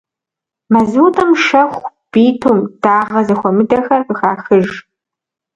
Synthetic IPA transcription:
mɐzuːtʼɐmʃɐxʷb̥iːtʰumd̥aːʁɐzɐxʷɔmɨdɐxɐrɨxaːxɨʒ

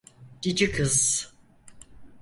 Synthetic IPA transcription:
ɟ̥id͡ʒikʰɯz

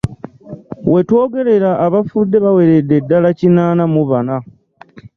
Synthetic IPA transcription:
we̞two̞ːɡe̞ɾe̞ɾaːβafudːe̞βawe̞ɾedːe̞dːalacinaːnamuβana

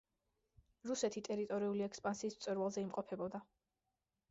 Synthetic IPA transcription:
ɾusɛt̪ʰit̪ʼɛɾit̪ʼɔɾiuliɛkspʼansiːst̪sʼwɛɾwalˠzɛimqʼɔpʰɛbɔd̪a

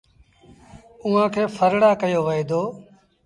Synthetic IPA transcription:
uːãːkʰeːfʰəɾɽaːkəjoːʋəeːd̪oː

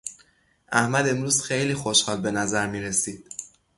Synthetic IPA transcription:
ʔæhmæd̪e̞mɾuːz̥xejliːxoʃhɒːlbe̞næzæɾmiːɾe̞siːd̪̥̚

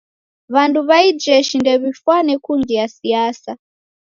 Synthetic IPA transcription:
βantʰuβaid͡ʒɛʃindɛβifwanɛkʰunɡijasijaːsa

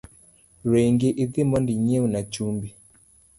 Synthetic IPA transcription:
ɾeŋɡeʔɪðɪmɔndiɲeunat͡ʃumbi

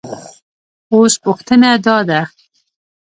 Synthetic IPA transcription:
ospʊxt̪ənad̪ɑd̪a

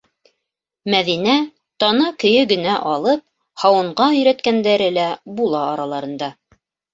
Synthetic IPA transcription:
mæðinæ | t̪ɑnɑkɵ̆jɵɡɵ̆næʔɑlˠɤp̚ | hɑwɤ̆ɴɢɑɵ̆jɾæt̪kænd̪æɾɘlæbulˠɑːɾɑlˠɑɾɤ̆nd̪ɑ

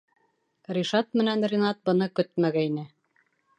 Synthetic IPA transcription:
rʲiʃɑt̪̚mɘ̆nænrʲinɑt̪̚bɤ̆nɤkɵt̪̚mæɡæinɘ

